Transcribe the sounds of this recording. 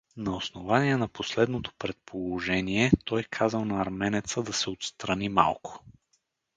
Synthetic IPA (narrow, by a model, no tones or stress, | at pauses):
nɐosnovaniɛnɐposlɛd̪not̪o̥pɾɛt̪̚pʰolˠoʒɛniɛt̪ɔjkʰazəlˠnɐːɾmɛnɛt̪səd̪ɐsɛot̪st̪ɾɐnima̰lˠkʰo̥